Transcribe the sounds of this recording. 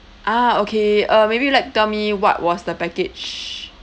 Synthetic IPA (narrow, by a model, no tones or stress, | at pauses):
ʔaokʰeʌmebilaɪk̚tɛlmiwɔ̰twɔsdəpɛkɪd͡ʒ